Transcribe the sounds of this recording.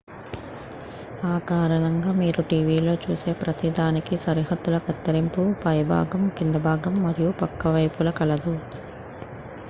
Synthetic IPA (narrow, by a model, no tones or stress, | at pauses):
aːkaːɾɐɳɐŋɡaːmiːɾuʈiːʋiːlo̞ːt͡ʃuːse̞ːpɾɐt̪id̪aːnikisɐɾiɦɐd̪ːulɐkɐt̪ːɐɾimpupɐjɐbʱa̰ːɡɐmkind̪ɐbʱaːɡɐmːɐɾijupɐkːɐʋɐjpulɐkɐlɐd̪u